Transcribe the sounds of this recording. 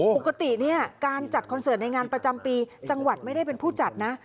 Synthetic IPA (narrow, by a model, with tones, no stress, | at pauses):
o˨˩ka˧t̪i˨˩ni˥˩ɐkaː˧nt͡ɕa˨˩t̪̚kʰɔ˧nsɤː˨˩˦nːa˧jŋaː˧npɾa˧t͡ɕa˧mpiː˧t͡ɕa˧ŋwa˨˩t̪̚ma˥˩jda˥˩jpe˧npʰuː˥˩t͡ɕa˨˩t̪̚na˦˥